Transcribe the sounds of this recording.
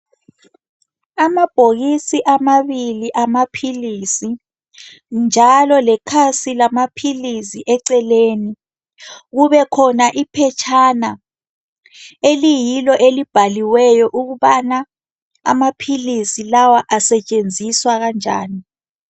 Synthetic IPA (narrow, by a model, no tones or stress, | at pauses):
amab̥ʱoɣisiʔamaβiliʔamapʰilisi | nd͡ʒʱalɔlɛkʰasilamapʰilisiʔɛǀɛleːni | ɣuβɛkʰɔnaʔipʰɛt͡ʃʰana | elijilɔʔelib̥ʱaliwɛjɔʔuɣuβana | a̰mapʰilisilawaʔasɛt͡ʃʼend͡zʱiswaɣand͡ʒʱa̰ːni